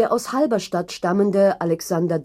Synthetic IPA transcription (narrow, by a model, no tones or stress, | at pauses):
eːɐʔaʊshalbɐʃtatʃtaməndəʔalɛksandɐd